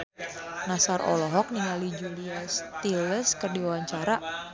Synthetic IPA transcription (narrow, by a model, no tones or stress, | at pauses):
nasarʔɔ̰lɔɦɔk̚niŋalid͡ʒuliast̪iləskərdiwawaɲt͡ʃaɾa